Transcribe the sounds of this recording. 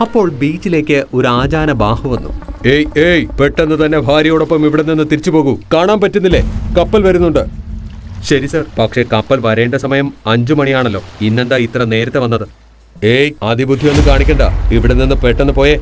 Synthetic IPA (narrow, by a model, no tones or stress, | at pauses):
ɐpːo̞ːɭbiːt͡ɕːile̞ːkʲːɨʔo̞ɾuaːd͡ʑaːnɐbaːhuʋɐnːṵeːjeːjpe̞ʈːe̞nːɨt̪ɐnːe̞bʱaːɾjɐjoːɽo̞pːɐmiʋiɽenːinːɨt̪iɾit͡ɕːupo̞ːɣukaːɳaːmpɐtːunːilːe̞kɐpːɐlʋɐɾunːuɳɖɨ | ɕɐɾisɐrpɐkʂe̞kɐpːɐlʋɐɾeːɳɖesɐmɐjɐmɐɲd͡ʑɨmɐɳijaːɳɐlːo̞̰ːinːe̞nd̪aːit̪rɐne̞ːɾɐt̪ːe̞ʋɐnːɐðɨ | eːjɐd̪ibʱud̪ʱːijenːɨkaːɳikʲːeɳɖa̰iʋiɽenːinːɨpeʈːenːɨpo̞ːje